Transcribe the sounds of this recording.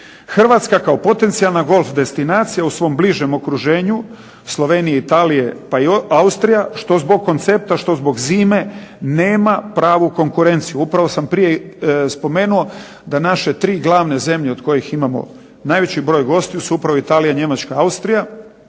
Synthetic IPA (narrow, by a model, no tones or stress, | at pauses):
xr̩ʋat̪skakaopo̞t̪e̞nt̪sijalˠnaɡo̞lˠfd̪e̞st̪inaːt̪sijausʋo̞mbliʒemo̞kɾuʒe̞ːɲu | slˠo̞ʋe̞ːnijeit̪aːlije̞paiaust̪ɾijaʃt̪o̞zbo̞ɡ̚ko̞nt̪sep̚t̪aʃt̪o̞zbo̞ɡziːme̞ne̞ːmapɾaːʋuko̞ŋkuɾe̞nt̪sijuupɾaʋo̞sampɾije̞spo̞me̞ːnuo̞ | d̪anaʃe̞t̪ɾiːɡlˠaːʋneze̞mʎeo̞d̪ko̞jiximamo̞̰ | naːjʋe̞t͡ɕibɾo̞ːjɡo̞st̪ijusuupɾaʋo̞it̪aːlijaɲe̞mat͡ʃkaaust̪ɾija